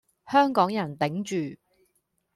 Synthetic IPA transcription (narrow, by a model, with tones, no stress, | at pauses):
hœː˥ŋkɔː˨˥ŋjɐ˨˩nt̪ɪ˨˥ŋt͡ʃyː˨